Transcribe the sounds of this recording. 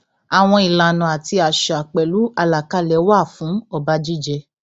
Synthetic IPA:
a˨w̃ɔ̃˧i˨la˨nã˨a˨ti˧a˨ʃa˨k͡pɛ˨lu˨˦a˧la˨ka˧˦lɛ˨˦wa˦˨fũ˨˦ɔ˦˨ba˧˦d͡ʒi˦˨d͡ʒɛ˧

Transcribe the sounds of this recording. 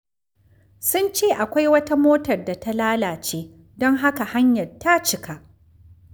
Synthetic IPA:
sʊ˦nt͡ʃeː˦˨ʔa˨kʷa˦jwɐ˦ta˦moː˦tɐ˨rda˨ta˦laː˦laː˨t͡ʃeː˦ | dɔ˦ŋɦa˦ka˨ha˦ɲjɐ˨rta˦t͡ʃɪ˦ka˨ʔ

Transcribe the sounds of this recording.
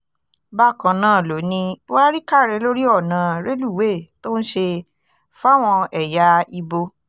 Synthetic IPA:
ba˦˨kã˨nãː˦˨lo˨˦nĩ˧˦wa˦ɾi˦ka˦˨ɾɛ˨˧˦lo˦ɾi˦ɔ˦˨nã˨ɾe˦lu˦˨we˦˨to˦n̩˦ʃe˧ | fa˦˨w̃ɔ̃˧ɛ˨ja˧˦i˧bo˧

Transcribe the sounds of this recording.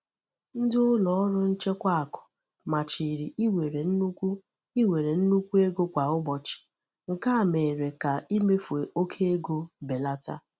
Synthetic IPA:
n̩˦dɪ˦ʊ˦lɔ˨ɔ˦ɾʊ˦n̩˦t͡ʃe˦kʷa˦a˨kʊ̥˨ | ma˨t͡ʃi˨ɾi˨ʔi˦we˨ɾe˨n̩˦u˦kʷu˦ | i˦we˨ɾe˨n̩˦nu˦kʷu˦e˦ɡo˦kʷa˨ʊ˦bɔ˨t͡ʃɪ̥˨ | ŋ̩˨ka˦a˨me˨ɾe˨ka˨i˦me˦fu˨e˨ʔo˦kʰe˦e˦ɡo˦be˨la˦ta̰˦

